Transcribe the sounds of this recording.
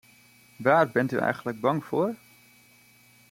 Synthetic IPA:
ʋaːrbɪnty̰ɛ̰jɣən̩tləɡ̚bɑŋfʊər

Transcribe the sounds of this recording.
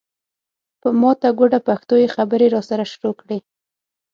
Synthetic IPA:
pəmɑt̪aɡoɖapaxt̪ojexabəɾeɾɑsaɾaʃɾokɽe

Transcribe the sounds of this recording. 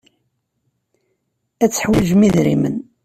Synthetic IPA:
æt͡sːə̥ħwiʒmiðɾḭmə̰n

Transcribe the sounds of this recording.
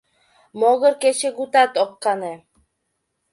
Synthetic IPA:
moɣɤ̆ɾket͡ɕĕɡut̪ɑt̪okːɑne

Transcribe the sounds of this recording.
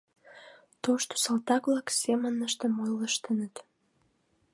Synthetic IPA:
t̪oʃt̪o̥sɑlt̪ɑkβlɑksemənəʃt̪əmojləʃt̪ənət̪

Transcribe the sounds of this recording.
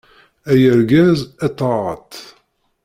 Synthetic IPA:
æjəɾɡæzæt̪ˤːɑʁə̰t̪

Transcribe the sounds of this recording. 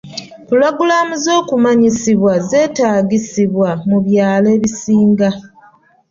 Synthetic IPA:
puloɡulamuzo̞ːkumaɲisiβwaze̞ːtaːɡisiβwamuβjaːleːβisiːŋɡa

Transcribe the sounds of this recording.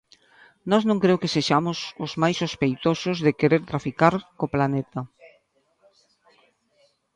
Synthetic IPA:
nɔznõŋkɾeʊkeseʃamʊsʊzmajsospejt̪osʊzðɪkeɾeɾt̪ɾafikaɾkoplanet̪a

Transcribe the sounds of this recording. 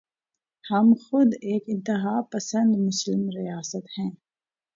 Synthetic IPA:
hɐmxʊd̪eːkɪ̃nt̪ɪɦaːpɐsə̃nd̪mʊslɪmɾijaːsət̪hɛ̃ː

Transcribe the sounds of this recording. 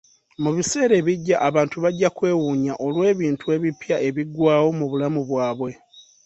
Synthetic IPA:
muβise̞ːɾe̞ːβiɟːaʔaβaːntuβaɟːakwe̞ːwuɲaʔo̞lwe̞ːβiːntue̞ːβipjae̞βiɡwaːwo̞muβulamuβwaːβwe̞

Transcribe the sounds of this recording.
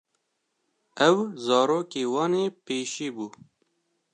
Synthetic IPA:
ɛwzɑːɾoːkeːwɑːneːpeːʃiːbuː

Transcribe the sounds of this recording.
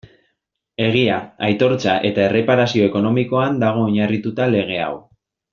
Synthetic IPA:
e̞ɣ̞iaajt̪o̞ɾt͡saʔe̞t̪ae̞re̞paɾasio̞e̞ko̞no̞miko̞and̪aɣ̞o̞oɲarit̪ut̪ale̞ɣe̞a̰w

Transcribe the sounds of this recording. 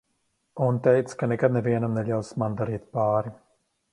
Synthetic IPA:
unt̪ɛjt̪skanɛkad̪̚nɛviɛnamnɛʎʲawsmand̪aɾiːt̪̚paːɾi

